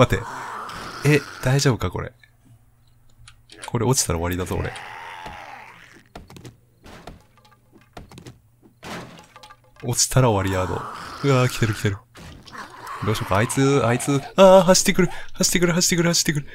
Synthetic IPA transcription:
at̪e̞̰ | ed̪̥aiʑo̞ːbɯ̟kako̞ɾḛ | kʰo̞ɾeo̞t͡ɕi̥t̪aɾaβaɾʲid̪azooɾḛ | o̞t͡ɕi̥t̪aɾaoβaɾʲiaːd̪o̞̰ɯ̟akʲi̥t̪e̞ɾɯ̟kʲi̥t̪e̞ɾɯ̟ | d̪o̞ːɕo̞ːkaːit͡sɨait͡sɨːaːɦaɕi̥t̪ːekɯ̟ɾɯ̟haɕi̥t̪ːekɯ̟ɾ̟ɦaɕi̥t̪ːekɯɾɯ̟haɕi̥t̪ːekɯ̟ɾɯ̟

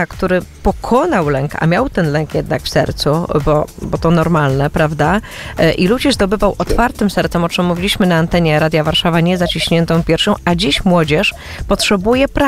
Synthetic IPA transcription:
akt̪uɾɘpɔkʰɔnawlɛŋka̰mʲjawt̪ɛnlɛŋkjɛd̪nakfsɛ̰ɾt̪subɔbɔt̪ɔnɔɾmalnɛpɾavd̪a | ʔilud͡ʑɛzd̪ɔbɘvawʔɔt̪faɾt̪ɘmsɛɾt̪sɛmɔt͡ʂɘmːuvʲilʲiɕmɘnaːnt̪ɛɲɛɾad̪ʲjavaɾʂavaɲɛzat͡ɕiɕɲɛnt̪ɔ̃w̃pʲjɛɾfɕɔ̃w̃ad͡ʑiɕmwɔd͡ʑɛʂ | pɔtʂɛbujɛpɾa

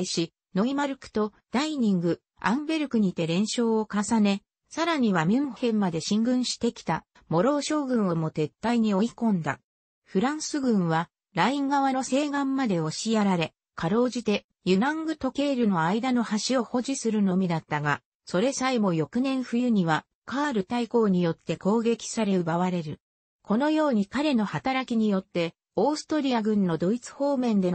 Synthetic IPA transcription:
iɕi | no̞imaɾɯ̟kɯ̟̥t̪o̞ | d̪̥aiɲ̟ĩŋɡɯ̟ | ã̰mbe̞ɾɯ̟kɯ̟ɲ̟it̪e̞ɾẽ̞ɰ̃ɕo̞ːokasane̞ | saɾaɲ̟iβamʲimhẽ̞mːad̪e̞ɕĩŋɡɯ̟̃ɰ̃ɕi̥t̪e̞kʲi̥t̪a | mo̞ɾo̞ːɕo̞ːɡɯ̟̃ɰ̃o̞mo̞t̪e̞t̪ːaiɲ̟io̞ikõ̞nd̪a̰ | ɸɯ̟ɾãɰ̃sɨɡɯ̟̃ɰ̃βa | ɾaĩŋɡaβano̞se̞ːɡãmːad̪e̞o̞ɕiaɾaɾe̞ | kaɾo̞ːʑit̪e̞ | jɯɾãŋɡɯ̟t̪o̞ke̞ːɾɯ̟no̞aid̪ano̞haɕio̞ho̞ʑisɨɾɯ̟no̞mʲid̪at̪ːaɡa | so̞ɾe̞saimo̞jo̞kɯ̟nẽ̞ɰ̃ɸɯ̟jɯ̟ɲ̟iβa | kaːɾɯ̟t̪aiko̞ːɲ̟ijo̞t̪ːe̞ko̞ːɡe̞kʲi̥saɾe̞ɯbaβaɾe̞ɾɯ̟ | kʰo̞no̞jo̞ːɲ̟ikaɾe̞no̞hat̪aɾakʲiɲ̟ijo̞t̪ːe̞ | oːsɨ̥t̪oɾʲiaɡɯ̟̃nːo̞d̪o̞it͡sɨ̥ho̞ːmẽ̞nd̪e̞

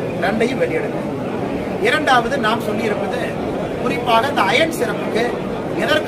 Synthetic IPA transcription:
nɐɳɖɐjɯmʋɛɭɪjɛɽɯnd̪ḛː | ɪɾɐɳɖaːʋɐðɯnaːmsɔlːɪɪɾɯpːɐðɯ | kʊɾɪpːaːnɐnd̪ɐɐjɐɳsɪɾɐpːɯkːɯ | ɛðɐɾk

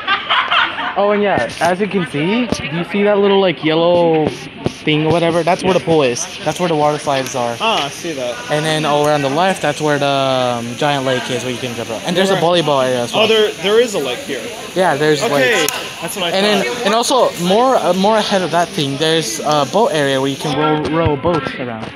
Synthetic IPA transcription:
ʔoʊɨ̃njæɨzɨt̚kɨ̃nsidɨjɨsiðətˡlɪɾl̩ˠlaɪkjɛlˠoʊ | θɪ̃ŋə˞wʌɾɛvə˞ðætswə˞ðəpʰɔɪsðætswə˞ðəwɑɾə˞saɪdzə˞ɑaɪsiðæt̚ɨ̃nðɨ̃nɔlˠəɹãʊ̃nðəlɛft̪̚ðætswə˞ðəʌ̃md͡ʒaɪɨ̃nʔleɪkɪzwə˞jɨkɨ̃nɡɛvʌ̰pɨ̃nðə˞zəbɑlˠiboʊɾɛɹiɨsoðə˞ðə˞ɪzəleɪkhiɹ | jæðə˞zleɪ | ðætsɨ̃nðɨ̃nɨ̃nɔlˠsoʊmɔɹmɔɹɨhɛɾʌvðət̪̚θɪ̃ŋðə˞zəboʊɾɛɹiɨwə˞jɨkʰɨ̃nɡɹoʊɹoʊəboʊtə˞ãʊ̃nd̥

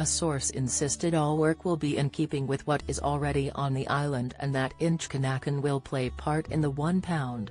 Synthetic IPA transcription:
əsɔɹsɨ̰̃nsɪstɨɾɔlˠwɜ˞kwəlˠbiʔɨ̃nkʰipɪ̃ŋwɨðwʌɾɨzl̩ˠɹɛɾiʔə̃nðiʔaɪlˠə̃ndɨ̰̃nðɨɾɪ̃nt͡ʃkʰɨnækɨ̃nwɪlˠpʰl̥eɪpʰɑɹɾɨ̰̃nðəwʌ̃npʰãʊ̃nd̥

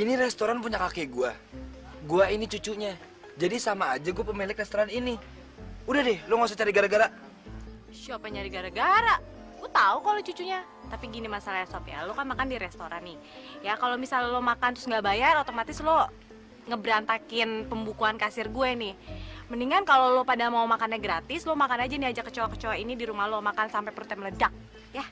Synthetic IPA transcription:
iniɾɛst̪oɾanpuɲakakeɡua | ɡuainit͡ʃut͡ʃuɲa | d͡ʒadisamaːd͡ʒaɡuapəmilɪkrɛst̪oɾanini | udahdɛhloŋas̬ot͡ʃaɾiɡaɾaɡaɾa | ʃapaɲaɾiɡaɾaɡaɾaʔ | ɡut̪aukalot͡ʃut͡ʃuʔɲa | t̪apiɡinimasalaasapja̰lokanmakandiɾɛst̪oɾanɪ | jakalomisallomakant̪ʊsŋɡabajarot̪omat̪ɪslo | ŋəbəɾant̪akɪnpəmbukuankasɪrɡuɛnɪhməniŋankalolopadamaumakanɲaɡɾat̪ɪslomakanad͡ʒaniad͡ʒakət͡ʃawakə̥t͡ʃowainidiɾumahlomakansampapɾut̪ɛmlədak̚ | ja

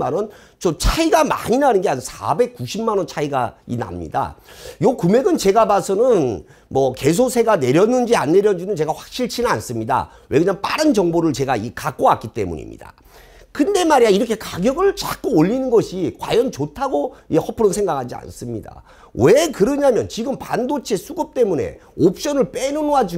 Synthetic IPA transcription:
anʌn | t͡ɕot͡ɕʰaiɡama̰ɲinanɯnɡeansʰa̰be̞k̚k͈uɕʰimmanʌnt͡ɕʰaiɡa̰ḭna̰mɲḭda̰jokume̞ɡɯnt͡ɕe̞ɡabasʰʌnɯn | mʌke̞s̬ʰosʰe̞ɡane̞ɾjʌnːɯnd͡ʑia̰nːe̞ɾjʌnd͡ʑinɯnt͡ɕe̞ɡaɸwḁk̚ɕ͈iɭt͡ɕʰinɯnans͈ɯmɲida̰ | wʔe̞ɡɯɲaŋp͈aɾɯnt͡ɕʌŋboɾɯɭt͡ɕe̞ɡaikak͈oak͈it͈e̞̰mṵɲḭmɲḭda̰ | kɯnde̞maɾiaiɾʌkʰekaɡjʌɡɯɭt͡ɕak͈uoʎːinɯnɡʌɕʰikwa̰jʌnt͡ɕotʰaɡoihʌpʰɯɾonsʰeŋɡakʰad͡ʑia̰ns͈ɯmɲida̰ | wekɯɾʌɲamjʌnt͡ɕiɡɯmpandot͡ɕʰe̞sʰuɡʌp̚t͈e̞munḛop̚ɕ͈ʌnɯɭp͈enonoad͡ʑu

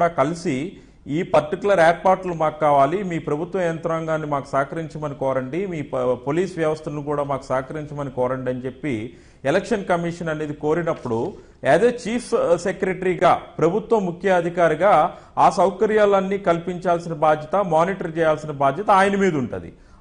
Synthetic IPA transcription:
ɽaːkɐlisi | iːpɐɾʈikulɐɾɛːɾpaːɾʈlumaːkukaːʋaːlimiːpɾɐbʱut̪ʋɐjɐnt̪ɾaːŋɡaːnːimaːku̥saːkɐɾiɲt͡ʃɐmɐnikɔːɾɐɳɖimiːpoːliːsʋjɐʋɐst̪ɐnukuːɽaːmaːku̥saːkɐɾiɲt͡ʃɐmɐnikɔːɾɐɳɖɐnit͡ʃe̞pːi | ɛlekʂɐnkɐmiʂɐnɐne̞ːd̪iko̞ːɾinɐpːuɽu | ɛːd̪eːt͡ʃiːpʰsekɾeʈɾiːɡaːpɾɐbʱut̪wʋɐmːukʰjɐɐd̪ʱikaːɾiɡaː | aːsɐwkɐɾijaːlɐnːiːkɐlpiɲt͡ʃaːlsinɐbaːd̪ʱjɐt̪ɐmaːniːʈɐɾt͡ʃɛːjaːlsinɐbaːd̪ʱjɐt̪ɐaːjɐnɐmiːd̪ɐuɳʈṵːd̪ḭ

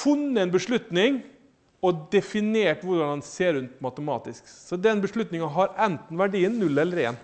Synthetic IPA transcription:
fʉnːəɛnbəʂɭʉt̪nɪŋ | ɔd̪ɛfɪneːʈʋʊɖɑndɛnseːɾʉnt̪mɑt̪əmɑ̰ːt̪ɪsksɔd̪ɛnbəʂɭʉt̪nɪŋɑɦɑɾɛnt̪n̩ʋæɖiːənːʉlːɛlːəɾḛːn

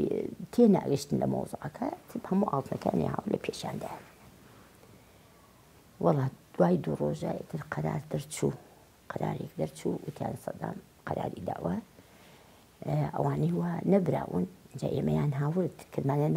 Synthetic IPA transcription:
t̪ʰena̰ʔɣiʃt̪ɨnlɐmo̰wzˤɨʔɐkʰɐt̪ʰɨbhɐmuːʔaːlt̪nɐkaja̰ːnḛha̰ːwɨɾlɐpʰeːʃjaːnd̪aːj | wɑlˠˤːɑːd̪̥waːjd̪uroːʒaʔit̪ʰɨɾqʰɐɾa̰ːɾd̪ɐɾt͡ʃʰuː | qʰɐɾa̰ːɾjɛkd̪ɐɾt͡ʃʰuut̪ʰa̰ːnsˤɑd̪a̰ːm | qɑɾaːɾid̪aːʔwa | ʔɐ̰waːnijwanɐbɾa̰ːwɨ̰nʔɨnd͡ʒa̰ʔeːmɐjaːnɦaːwɨɾt̪kʰɨɾmaːlan

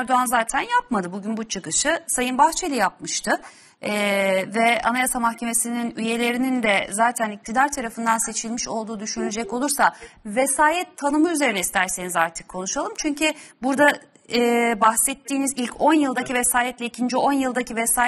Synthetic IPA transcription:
ɾd̪oanzaːt̪ʰænjap̚mad̪ɯbuɟynbut͡ʃʰɯkɯʃɯsajɯnbaxt͡ʃʰelʲɛjap̚mɯʃt̪ʰɯ | ɛvɛa̰najasamaxcʰe̞me̞sininyje̞lʲe̞ɾinind̪ɛzaːt̪ʰænic̚t̪ʰid̪aɾt̪ʰaɾafɯnd̪anse̞t͡ʃʰilʲmiʃo̞lˠd̪uːd̪yʃynyd͡ʒɛco̞lˠuɾsavesaːjɛt̪ʰːanɯmɯyze̞ɾinɛist̪ʰæɾse̞nizaɾt̪ʰɯ̥kʰːo̞nuʃalˠɯmt͡ʃʰyɲcʰybuɾd̪a | ɛːbaxsɛt̪ʰːiːnizilʲcʰo̞njɯlˠd̪acivesaːjɛt̪lʲɛicʰind͡ʒio̞njɯlˠd̪acivesaː

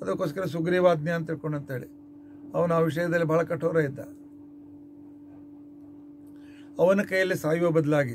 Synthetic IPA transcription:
ɐd̪ɐkːoːskɐɾɐs̬uɡɾiʋaːd̪njɐɐːnt̪iɾkoɳɖɐnt̪eːɭḭ | ɐʋɐnuaʋiʂ̬ɐjɐd̪ɐlːibʱaːɭɐkɐʈʰːoːɾɐjid̪ːɐ̰ | ɐʋɐnɐkɐjɐlːisaːjʋɐbɐd̪ɐlaːɡi

